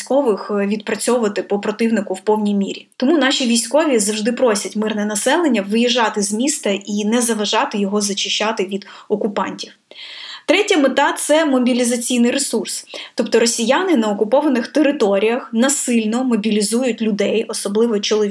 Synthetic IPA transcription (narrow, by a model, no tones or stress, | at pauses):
sʲkɔʋɪxʋʲid̪̚pɾɐt͡sʲɔʊʋɐt̪ɪpɔpɾɔt̪ɪwnɪkʊwpɔwnʲijmʲḭɾʲit̪ɔmunɑʃʲiʋʲijsʲkɔʋʲizɐwʐʒd̪ɪpɾɔsʲɐtʲmɪrnɛnɐsɛlˠenʲːɐʋɪjiʒːɑt̪ɪzmʲist̪ɐʔinɛzɐʋɐʒɑt̪ɪjɔɦɔzɐt͡ʃɪʃt͡ʃːɑt̪ɪʋʲid̪ɔkʊpɑ̰nʲtʲiwt̪ɾɛtʲɐmɪt̪ɑt̪sɛmɔbʲilʲizɐt͡sʲijnɪjɾesurst̪ɔpt̪ɔɾɔsʲijanɪnɐɔkʊpɔʋɐnɪxt̪eɾɪt̪ɔɾʲijɐxnɐsɪlʲnɔmɔbʲilʲizujʊtʲlʲʊd̪ɛjɔsɔblˠɪʋɔt͡ʃɔlˠɔ